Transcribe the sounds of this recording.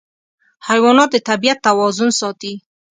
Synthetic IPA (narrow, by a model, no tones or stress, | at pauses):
hajwɑnɑt̪̚d̪ət̪abijat̪ːawɑzʊnsɑt̪i